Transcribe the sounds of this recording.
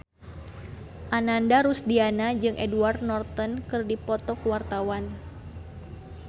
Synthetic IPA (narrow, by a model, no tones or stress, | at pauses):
ʔanandaɾusdianad͡ʒɨŋʔɛduart̪̚nɔrt̪ənkɨrdipɔt̪ɔkuwart̪awan